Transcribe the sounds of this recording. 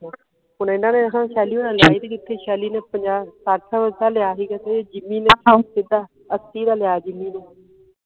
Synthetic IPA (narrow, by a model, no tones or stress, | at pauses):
ʊnːɪnãːnẽːəkãːʃaːliːʊnãːlɪjaːiːd̪eːd͡ʒɪt̪ʰːeːʃaːliːneːpəɲd͡ʒaːsaːʈʰaːʋəd͡ʒt̪aːlɪaːɦiːɡaːt̪eeːd͡ʒɪmiːneːt͡ʃʰːsɪd̪aː | əsiːd̪aːlɪjaːd͡ʒɪmːiːneː